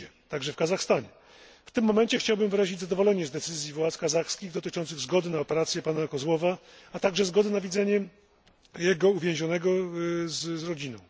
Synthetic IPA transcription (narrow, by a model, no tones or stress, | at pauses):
ɛt̪aɡʐɛfkazaxst̪aɲɛ | ft̪ɘmːɔmɛnt͡ɕɛxt͡ɕawbɘmvɘɾaʑid͡ʑʲzad̪ɔvɔlɛɲɛzd̪ɛt̪sɘzʲjivwat̪skazaxskʲiɣd̪ɔt̪ɘt͡ʂɔnt̪sɘɣzɡɔd̪ɘnaɔpɛɾat̪sʲjɛpanakɔzwɔvaat̪aɡʐɛzɡɔd̪ɘnavʲid̪zɛɲɛ | jɛɡɔuvʲjẽw̃ʑɔnɛɡɔzɾɔd͡ʑinɔ̃w̃